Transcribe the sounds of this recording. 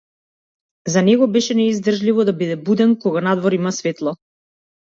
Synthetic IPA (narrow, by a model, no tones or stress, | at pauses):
zanɛɡɔbɛʃɛnɛizd̪r̩ʒlivɔd̪abid̪ɛbud̪ɛnkɔɡanad̪vɔɾimasvɛt̪lˠɔ